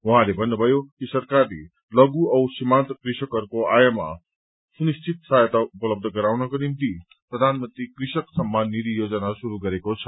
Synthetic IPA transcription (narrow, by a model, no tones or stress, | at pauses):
wɐɦãlebʱʌnːəbʱʌjokisɐɾkaɾlḛ | lʌɡuʌwsimant̪kɾiʃəkʌɾkoajəma̰ | sunist͡ʃʰit̪sajət̪aupələb̚d̪ʱəɡʌɾawnʌkonimt̪i | pɾəd̪ʱanmənt̪ɾikɾiʃəksɐmːanːid̪ijod͡zənasuɾuɡʌɾekot͡sʰʌ̥